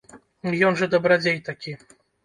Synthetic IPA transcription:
jɔnʐɐd̪ɐbɾad͡zʲejt̪akʲi

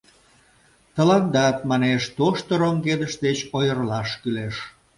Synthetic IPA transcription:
t̪ə̆lɑnd̪ɑt̪mɑneʃt̪oʃt̪oɾomɡed̪əʃd̪et͡ɕojərlɑʃkyleʃ

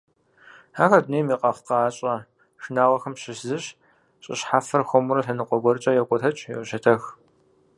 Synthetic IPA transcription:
haːxɐdneːmiːqɐχqɑːɕʼɐ | ʂɨnaːʁɐxɐmɕɪszɨɕ | ɕʼɪ̰ɕħaːfɐrxʷɔmuɾɐɬɐnɨqʷɔɡʷɔrt͡ʃʼɐjɛkʷʼɔtʰɐt͡ʃʼjɛʔʷʊɕɐtʰɐx

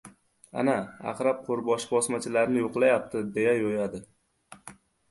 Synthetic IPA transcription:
a̰naa̰qɾap̚qʰoɾbɒʃbɒsmat͡ʃʰɪlaɾnɪjoqlˠajap̚t̪ʰɪd̪e̞jajojad̪ɪ

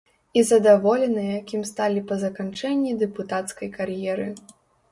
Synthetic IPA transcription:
izɐd̪avɔlʲɛnɨjɛjakʲimst̪alʲipɐzɐkant͡ʂɛnʲːid̪ɛput̪at̪skɐjkarjɛɾɨ

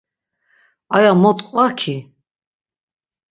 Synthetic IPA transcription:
ajamɔt̪ʼqʼvakʰi

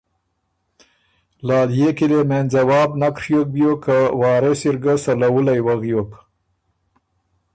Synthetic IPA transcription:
lɑːljekilemenzawɑːbnakʂjok̚bjokawɑːɾesiɾɡasalawulajwaɣjok

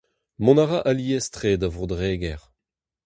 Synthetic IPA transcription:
mɔ̃naʁaʔaliɛstχeːdavʁod̪ʁeːɡɛʁ

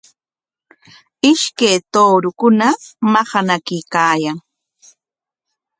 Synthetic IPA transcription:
ɪʃkajt̪oːɾʊkʊnamɑhɑnakɪkaːjaŋ

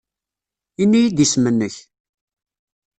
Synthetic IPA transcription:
inːijid̪ismənːəç

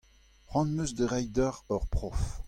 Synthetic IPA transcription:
χwɑ̃nmøzd̪əʁɛjd̪œʁœʁpχɔf

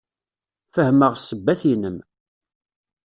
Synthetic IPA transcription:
fəhməʁsəbːæθinəm

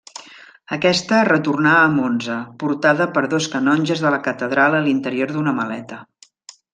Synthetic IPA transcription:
əkɛst̪ərət̪urnaːmonzəpuɾt̪aðəpəɾðoskənɔnʲʒəzðələkət̪əðɾalˠəlint̪əɾioɾðunəməlɛ̰t̪ə

